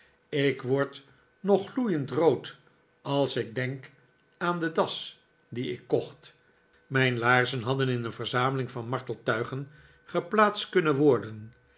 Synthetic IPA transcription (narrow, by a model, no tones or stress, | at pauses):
ɪkʋɔɹt | nɔχlujəntrowt | ɑlˠsɪɡ̚dɛŋk | aːndədɑs | diɪ̰kːɔχt | mɛjnlaːɹzənɦɑdənɪnəvəɹzaːməlɪŋvɑnmɑɹtəlˠtœɥχən | χəplaːtstkɵnənʋɔɹdən